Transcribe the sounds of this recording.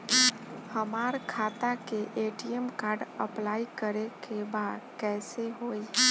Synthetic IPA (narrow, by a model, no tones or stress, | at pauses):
həmaːɾkʰaːt̪akeʔeːʈiemkaːɾɖəplaːikəɾekebaːd̪kɛːseɦoːi